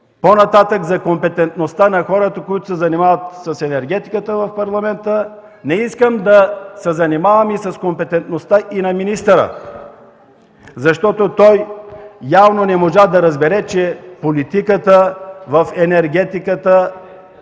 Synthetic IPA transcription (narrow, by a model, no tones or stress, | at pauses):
ponɐt̪at̪əkzɐkompɛt̪ɛnt̪nost̪anɐxɔɾət̪əkojit̪ʊ̥sɛzɐnimavət̪sɐsɛnɛɾɡ̟ɛt̪i̥kət̪əvɐfpɐɾlˠɐmɛnt̪ə | nɛiskəmd̪ɐsɛzɐnimavəmisɐskompɛt̪ɛnt̪nost̪aʔinɐminist̪əɾə̰ | zɐʃt̪ɔt̪ot̪ɔjjavnonɛmoʒad̪ɐɾɐzbɛɾɛt͡ʃɛpolit̪ikət̪əvɐfɛnɛɾɡɛt̪ikət̪ə